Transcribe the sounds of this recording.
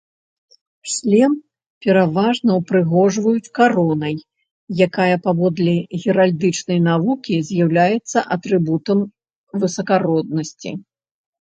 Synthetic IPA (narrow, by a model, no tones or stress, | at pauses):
ʃlʲɛm | pʲɛɾavaʐnɐwpɾɨɣɔʐvɐjut͡sʲkaɾɔnɐjː | akajɐpavɔd̪lʲɛɣʲɛɾalʲd̪ɨt͡ʂnɐjnavukʲizʲjawlʲajɛt̪sːɐʔɐt̪ɾɨbut̪ɐm | vɨsɐkaɾɔd̪̚nɐsʲt͡sʲḭ